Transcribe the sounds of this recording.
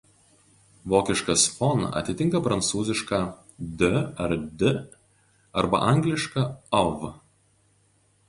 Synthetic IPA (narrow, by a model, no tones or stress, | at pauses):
ʋoːkʲɪʃkɐsfɔnɐ̰t̪ʲɪt̪ʲɪŋkɐpɾɐnt̪suːzʲɪʃkɑː | d̪ʲɵɐɾd̪ʲɪ | ɐɾbɐ̰ʔɐˑŋʲɡlʲɪʃkɑɔʋ